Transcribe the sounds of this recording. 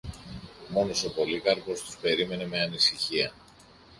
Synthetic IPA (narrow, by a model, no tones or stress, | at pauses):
mo̞no̞so̞po̞likɐɾpo̞st̪u̥spe̞ɾime̞ne̞me̞ɐnisiçiɐ